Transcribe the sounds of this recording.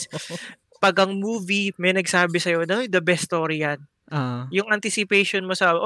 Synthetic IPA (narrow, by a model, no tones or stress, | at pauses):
pɐɡʔɐŋmuːvimɛjnɐɡsaːbɪsɐjo̞nod̪ɐbɛst̪oːɾɪjan | ʔjʊŋʔɐnt̪ɪsɪpejʃɔnmosaːbʔ